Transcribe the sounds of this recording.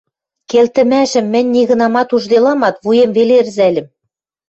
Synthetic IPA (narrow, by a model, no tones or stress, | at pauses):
kelt̪ɘ̆mæʃɘ̆mːɘ̆nʲniɣɤ̆nɑmɑt̪uʒd̪elɑmɑt̪βujĕmvelerzælʲɘ̆m